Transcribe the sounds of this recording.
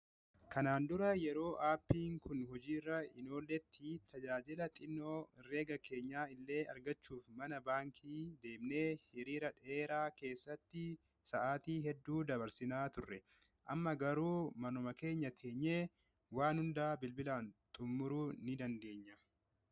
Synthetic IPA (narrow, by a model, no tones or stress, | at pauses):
kɐnaːnd̪ʊɾɐjɛɾo̞ːʔaːpːiːŋkʊnhɔd͡ʒiːrːɐɪno̞ːlːɛt̪ʰːit̪ɐd͡ʒaːd͡ʒɪlɐt̪ʼɪnːoːre̞ːɡɐke̞ːɲːaːɪlːe̞ːɐ̰ɾɡɐt͡ʃːuːfmɐnɐbaːŋkʰiːd̪e̞ːmneːhɪɾiːɾɐᶑe̞ːɾaːke̞ːsːɐt̪ːɪ | sɐʔaːt̪iːɦɛd̪ːuːd̪ɐβɐɾsɪnaːt̪ʊrːɛ | ʔɐmːɐɡɐɾuːmɐnɔmɐke̞ːɲːɐt̪ʰe̞ːɲːeː | waːnhʊnd̪aːbɪlbɪlaːnt̪ʼʊmːʊɾuːnɪd̪ɐnd̪e̞ːɲːɐ